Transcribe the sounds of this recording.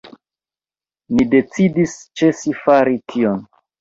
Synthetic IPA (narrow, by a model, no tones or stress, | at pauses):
nide̞t͡sidist͡ʃe̞sifaɾitʰion